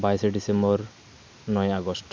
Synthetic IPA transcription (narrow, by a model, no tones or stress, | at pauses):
bajseɖisembɔɾ | nɔjaɡɔsʈ